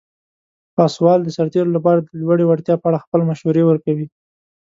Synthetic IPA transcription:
pɑswɑld̪əsaɾt̪eɾolapɑɾad̪əlwaɽewaɽt̪jɑpəaɽaxpəlmaʃhuɾewəɾkawi

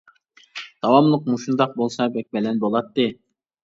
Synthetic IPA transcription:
d̪̥ɑwɑmlˠʊq̚muʃund̪ɑq̚bolˠsɑbɛk̚ʲbɛlɛnbolˠɑt̪ːɨ

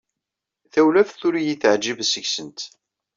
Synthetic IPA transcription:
θæwlæfθʊɾijiθəʕd͡ʒibsəçsənt̪

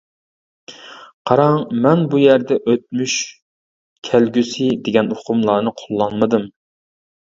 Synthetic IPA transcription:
qʰɑɾɑŋmɛnbujæɾd̪ɛʔøt̪̚myʃ | kʲʰælɡʲysɪd̪eɡʲɛnoqʰʊmlˠɑːnɨqʰolˠːɑnmɨd̪ɨm

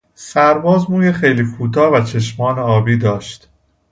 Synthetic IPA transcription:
sæɾbɒːzmuːjexejliːkʰuːt̪ʰɒːvæt͡ʃʰe̞ʃmɒːneɒːbiːd̪ɒːʃt̪

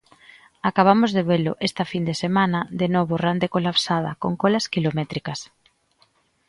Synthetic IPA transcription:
akaβ̞amʊzðeβelʊʔest̪ɐfind̪esemãnɐðenɔβorand̪ekolapsað̞ɐ̰koŋkɔlaskilomɛt̪ɾikɐs

